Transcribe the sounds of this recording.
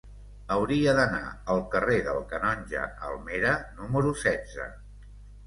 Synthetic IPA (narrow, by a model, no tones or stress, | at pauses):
əwɾiəðəna̰əlˠkəreðə̰lˠkənɔnʲʒə̰ə̰lˠmeɾənuməɾusɛdd͡zə̰